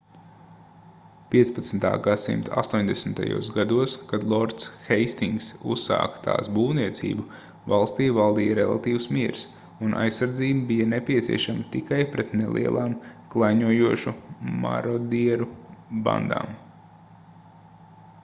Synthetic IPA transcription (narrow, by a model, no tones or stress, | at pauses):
piɛspat̪snt̪a̰ːɡasḭmt̪a̰st̪uɔɲʲd̪esn̩t̪a̰jṵɔsɡad̪uɔskad̪lˠɔɾt̪sxɛjst̪iŋɡsṵsːa̰ːkt̪a̰ːsbuːwniɛt̪sḭːbu | valˠst̪iːvalˠd̪iːjəɾɛlˠa̰t̪iːwsmiɛɾs | unʔa̰jsːaɾd̪ziːbbijɐnepʲiɛt̪sḭɛʃamət̪ikajpɾɛt̪nḛlˠʔḭɛlˠʔaːmklˠajɲuɔjuɔʃuma̰ɾɔd̪iɛɾuba̰nd̪a̰ːm